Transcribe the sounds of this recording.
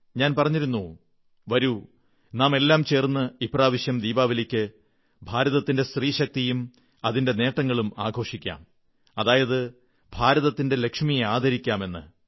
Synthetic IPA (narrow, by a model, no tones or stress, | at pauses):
ɲaːnpɐrɐɲːiɾunːu | ʋɐɾu | naːme̞lːaːmt͡ɕe̞ːrnːɨipraːʋiɕjɐmd̪iːbaːʋilikʲːɨ | bʱaːɾɐðɐt̪ːinde̞st̪riːɕɐk̚t̪ijum | ɐðinde̞ne̞ːʈːɐŋːɐɭumaːɡʱo̞ːʂikʲːa̰ːm | ɐðaːjɐðɨ | bʱaːɾɐðɐt̪ːinde̞le̞kʂmijeaːd̪ʱɐɾikʲːaːme̞nːɨ̰